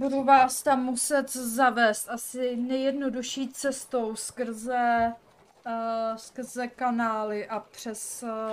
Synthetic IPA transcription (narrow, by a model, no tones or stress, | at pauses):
buduvaːst̪amːusɛt̪zavɛːst̪ʔasɪnɛjɛdnoduʃiːt͡sɛst̪o̞wskr̩zɛ | skr̩zɛkanaːlɪʔapr̝̥ɛs